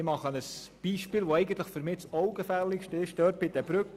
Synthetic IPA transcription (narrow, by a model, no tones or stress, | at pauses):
ɪmɑχənəsb̥iːʃpiːlʋoɛɪɡən̩t̪ləχfʏɾmɪːt͡sɔʊɡəfɛlːɪkʃtɪʃd̥œːɾt̚b̥ɪdɛb̥ɾʏk